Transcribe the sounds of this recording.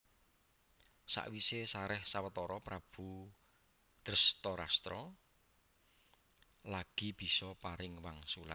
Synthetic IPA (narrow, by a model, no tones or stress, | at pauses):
sa̰ʔwisesaɾɛhsawət̪ɔɾɔpɾab̥ṳ | d̪̥əɾəst̪ɔɾa̰st̪ɾɔ | laɡ̥i̤b̥i̤sɔpaɾɪŋwaŋsula̰t̪̚